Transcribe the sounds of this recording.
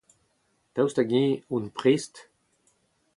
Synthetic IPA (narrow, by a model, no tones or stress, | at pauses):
t̪awst̪aɡẽunpʁist̪